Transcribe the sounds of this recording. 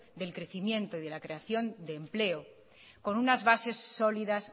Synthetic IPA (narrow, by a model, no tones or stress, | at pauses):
ðe̞lkɾe̞θimjẽ̞nt̪oiðe̞lakɾe̞aθjo̞nd̪e̞ːmple̞o | ko̞nunazβase̞sːo̞liðas